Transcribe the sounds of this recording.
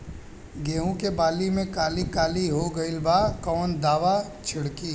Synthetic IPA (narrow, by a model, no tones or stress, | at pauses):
ɡeːũkebaːlimẽkaːlikaːliɦoɡəɪlbaːkɔːnd̪aːʋa | t͡ʃʰɪɽkiː